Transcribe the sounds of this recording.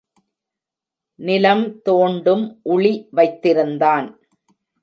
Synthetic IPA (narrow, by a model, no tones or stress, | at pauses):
nɪlɐmt̪oːɳɖɯmʔʊɭiʋɐɪt̪ːɪɾɯnd̪aːn